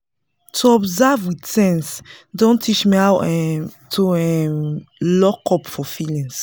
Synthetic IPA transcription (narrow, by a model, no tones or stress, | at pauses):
tʰuɔbzavwidsɛ̃nsdõntʰit͡ʃmiawɛtʰuɛmlɔkɔpfɔfilĩŋs